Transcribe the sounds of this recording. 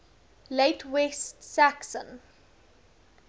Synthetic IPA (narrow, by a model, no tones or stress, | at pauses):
leɪtwɛstsæksə̰̃n